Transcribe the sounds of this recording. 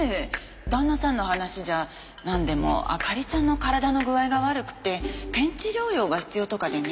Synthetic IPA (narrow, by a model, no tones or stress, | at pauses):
e | d̪̥ãnːasãnːo̞ːhanaɕiʑa | nãnd̪e̞mo̞̰a̰kaɾʲit͡ɕãnːo̞kaɾad̪ano̞ɡɯ̟aiɡaβaɾɯ̟kɯ̟̥t̪ːe̞pẽ̞ɲ̟t͡ɕiɾʲo̞ːjo̞ːɡaçi̥t͡sɨjo̞t̪o̞kad̪e̞ɲ